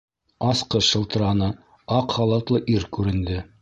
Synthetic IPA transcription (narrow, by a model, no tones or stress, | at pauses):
ɑsqɤʃɤ̆lˠt̪ɤ̆ɾɑnɤ | ɑqχɑlˠɤ̆t̪lˠɤʔiɾkʉɾɘ̆nd̪ɘ